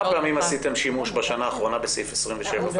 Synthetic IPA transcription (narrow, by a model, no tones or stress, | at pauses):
peamimasite̞mʃimuʃbaʃanaːχʁo̞nabesifesʁiɱveʃeva